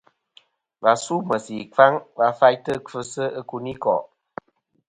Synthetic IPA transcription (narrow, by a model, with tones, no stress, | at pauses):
va˨su˦˨mə˨si˨ka˦ŋva˧fa˧jtə˦kʰə˧sə˦ə˧ku˧ni˦kɔ̰˨ʔ